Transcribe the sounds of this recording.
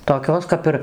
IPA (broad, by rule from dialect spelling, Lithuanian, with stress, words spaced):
toːˈkʲoːs kɐp ˈɪr